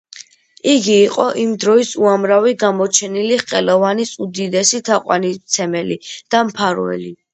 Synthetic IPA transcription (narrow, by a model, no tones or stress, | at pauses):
iɡiːqʼɔʔimd̪ɾɔisuamɾaviɡamɔt͡ʃʰɛniliχqʼɛlɔvanisud̪id̪ɛsit̪ʰaqʼwa̰nit̪sʰɛmɛlid̪̥ampʰaɾɛ̰li